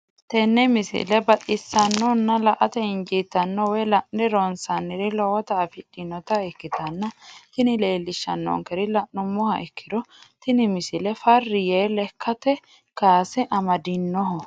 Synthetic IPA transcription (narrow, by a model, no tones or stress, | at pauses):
t̪ɛnːɛmɪsɪ̰lɛbɐtʼɪsːɐnːɔnːɐlɐʔɐt̪ɛɪnd͡ʒiːt̪ːɐnːɔwɔjlɐʔɛɾɔnsɐnːɪɾɪlɔwɐt̪ɐːfɪᶑɪnɔt̪ɐɛkːɪt̪ɐnːɐt̪ɪnɪle̞ːlːɪʃːɐ̰nːɔ̰ŋkɛɾɪlɐʔːʊmːɔhɐʔɛkʰːɪd̪ɔt̪ɪnɪmɪsɪlɛfɐrːɪjeːlɛkʰːɐt̪ɛ | kaːsɛʔɐmɐd̪ɪnːɔɦɔ